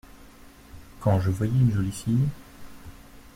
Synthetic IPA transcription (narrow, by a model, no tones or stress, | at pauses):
kɑ̃ʒəvwajɛynʒɔlisij